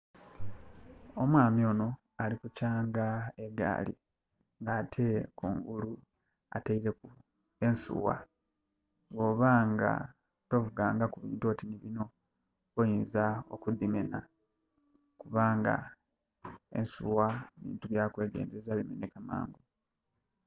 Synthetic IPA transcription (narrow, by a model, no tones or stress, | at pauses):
o̞mwaːmjo̞no̞ | alikucaːŋɡae̞ɡa̰ːlḭ | ŋɡatʰe̞kuːŋɡulu | a̰taiɾe̞ku | e̞nsṵwa̰ | ɡo̞ːβaːŋɡa̰ | to̞vuɡaːŋɡakuβiːntuo̞tiniβino̞ | ojinzaokud̪ːime̞na | kuβaːŋɡa̰ | e̞̰nsṵwaβḭːntuβjakwe̞ːɡe̞̰ːnzezaβimḛne̞kama̰ːŋɡu